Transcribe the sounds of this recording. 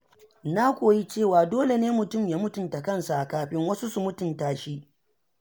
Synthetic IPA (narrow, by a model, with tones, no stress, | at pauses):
na˦kʷoː˨ji˦t͡ʃeː˦˨waː˨doː˦le˨neː˦mʊ˨tʊ˦˨mjaː˦mʊ˦tʊ˨nta˨kɐ˦nsa˨ʔa˨kaː˦ɸɪ˦ŋwɐ˦su˦su˨mʊ˦tʊ˨ntaː˨ʃi˦ʔ